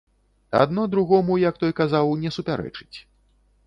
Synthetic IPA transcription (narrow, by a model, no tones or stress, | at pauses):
a̰d̪nɔd̪ɾuɣɔmujɐk̚t̪ɔjkazawnʲɛsupʲaɾɛ̰t͡ʂɨ̥t͡sʲ